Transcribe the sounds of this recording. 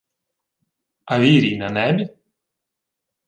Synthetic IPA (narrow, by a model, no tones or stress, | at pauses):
aviɾinanɛm